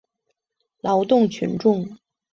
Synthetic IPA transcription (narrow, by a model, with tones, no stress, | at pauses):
lɑ˧˥ʊt̪ʊ˥˩ŋt͡ɕʰy˧˥nʈ͡ʂʊ˥˩ŋ